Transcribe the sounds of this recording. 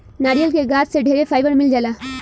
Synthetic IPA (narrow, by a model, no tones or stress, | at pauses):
naːɾijəlkeɡaːɾseɖʱeːɾepʰaːjʋəɾmɪld͡ʒaːla